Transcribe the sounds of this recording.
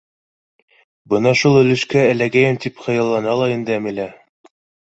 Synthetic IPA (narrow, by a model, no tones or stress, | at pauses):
bɤnɑʃulˠɵ̆lɘ̆ʃkæælæɡæjɘmt̪ipχɤ̆jɑlˠːɑnɑlˠɑind̪ɘæmɘ̆læ